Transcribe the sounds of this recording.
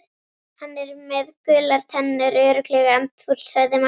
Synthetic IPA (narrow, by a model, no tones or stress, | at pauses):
hanːɛɾmɛðkʏːlaɾ̥t̪ʰɛnːʏɾœɥɾʏklɛɣant̪fut̪l̥saɣðɪma